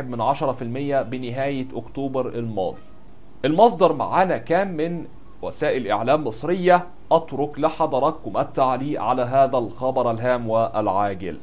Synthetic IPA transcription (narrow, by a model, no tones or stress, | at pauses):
eb̪̚mɪnʕaʃɑɾˤɑfilmɪjːæbɪnɪɦæːjɪʔʊkt̪uːbɑɾˤʔɪlmɑ̰ːd̪ˤi | ʔɪlmɑsˤd̪ɑɾˤma̰ʕaːnækæːmːɪn | wæsæːʔɪlʔɪʕlæːmːɨsˤɾɪjːa | ʔɑt̪ɾʊklɪħɑd̪ˤɑɾˤɑkːʊmʔæt̪ːaʕliːʔʕalæɦæːðælxɑbɑɾˤʔælɦæːmwæʔælʕaːɡɪ̰l